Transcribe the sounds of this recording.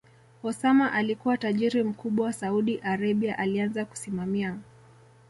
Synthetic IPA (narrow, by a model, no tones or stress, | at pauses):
hɔsamaʔalikuwataʄiɾim̩kuɓwawasauɗiʔaɾaɓiaʔalianzaku̥simamia